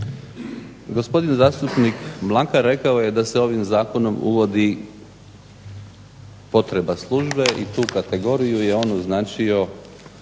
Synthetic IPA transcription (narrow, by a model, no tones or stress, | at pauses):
ɡo̞spo̞d̪inzaːst̪upnikmlˠakaɾe̞kaoje̞d̪ase̞o̞ʋimzaːko̞no̞mṵʋo̞d̪i | po̞t̪ɾe̞baslˠuːʒbe̞ʔit̪uːkat̪e̞ɡo̞ɾijuje̞o̞ːnoznaːt͡ʃio̞